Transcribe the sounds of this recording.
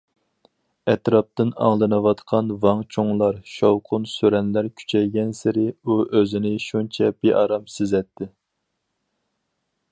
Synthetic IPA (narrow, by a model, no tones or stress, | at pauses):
ɛt̪ɾɑp̚t̪ɨnɑ̰ŋlˠɨnɨwɑt̪qʰɑnvɑŋt͡ʃʰoŋlˠɑɾʃowqʰʊnsøɾɛnlæɾkʲʰy̥t͡ʃʰɛjɡʲɛnsɪɾɪuʔøzɪnɪʃunt͡ʃʰɛb̥eʔɑɾɑmsɪzɛt̪ʰːɪ